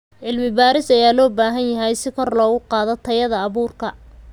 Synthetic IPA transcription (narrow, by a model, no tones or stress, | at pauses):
ʕɪlmɪbaːɾɪsɐjaːlɔːbaːɦɐnjɐɦɛjsɪkʰɔrlɔːɣʊqɑːðɔt̪ʰɐjɐðɐːβuːrkʰɐ